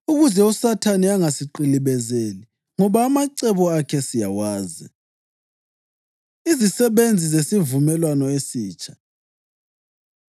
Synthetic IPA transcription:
uɣuzɛusatʰaniaŋasiǃiliβɛzeli | ŋɔβaːmaǀɛβɔakʰɛsijawaːzi | izisɛβend͡zʱizesivumɛlwanɔesiːt͡ʃʼʰḁ

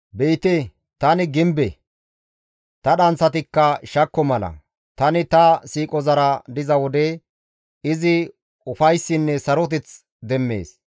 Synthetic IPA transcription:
beːt̪e | t̪ɐnɪɡɪmbɛ | t̪ɐɗɐnt͡sːɐt̪ɪkːɐʃɐkːɔmɐlɐ̰ | t̪ɐnɪt̪ɐsiːkʼɔzɐɾɐd̪ɪzɐwɔd̪ɛ | ɪzɪ | ʊfɐjsːɪnːɛsɐɾɔt̪̬ɛt͡s | d̪ɛmːe̞̰ːs

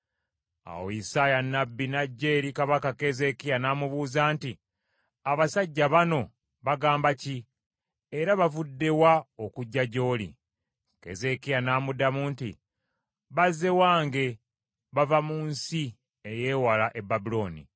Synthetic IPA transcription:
a̰wo̰isajanːabːinaɟːe̞ːɾikaβakake̞ze̞kijanaːmuβuːzaːnti | aβasaɟːaβano̞ | βaɡaːmbaci | eɾaβavudːe̞waokuɟːaɟo̞ːlḭ | ke̞̰ze̞kijanaːmudamuːntḭ | βaze̞waːŋɡe̞ | βavamuːnsi | eje̞ːwalaʔe̞bːabulo̞ːnḭ

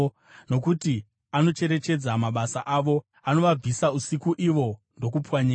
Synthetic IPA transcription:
no̞kuti | ano̞t͡ʃe̞ɾe̞t͡ʃe̞d͡zamaɓasaʔaʋo̞ | ano̞ʋab͡visausikuʔiʋo̞ | ndo̞k̬upwaɲeː

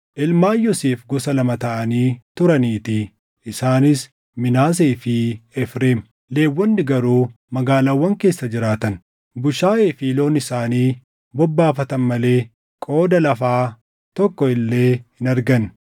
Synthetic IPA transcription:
ʔɪlmaːjːɔseːfɡɔsɐlɐmɐt̪ɐʔɐniːt̪ʊɾɐniːt̪ɪ | ʔɪsaːnɪs | mɪnaːs̬eːfɪɛfɾeːm | le̞ːwːɔnːɪɡɐɾuː | mɐɡaːlaːwːɐŋke̞ːsːɐd͡ʒɪɾaːt̪ɐn | bʊʃaːeːfiːlo̞ːnɪsaːniː | bɔbːaːfɐt̪ɐnmɐle̞ː | kʼo̞ːd̪ɐlɐfaː | t̪ɔkːɔɪlːe̞ːhɪnɐɾɡɐn

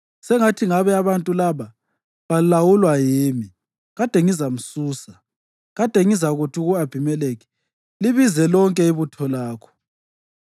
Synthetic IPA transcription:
sɛŋatʰiŋaβɛaβantʼulaβa | βalilawulwajiːmi | ɣad̥ʱɛŋizam̩suːsa | ɣad̥ʱɛŋizaɣutʰiuɣuab̥ʱimɛleːɣi̥ | liβizɛlɔŋkʼɛiβutʰɔlaːkʰɔ̥

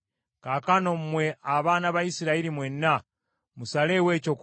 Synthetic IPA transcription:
kakano̞mumwe̞aβaːnaβaisiɾaiɾimwenːa | musale̞we̞ːco̞k

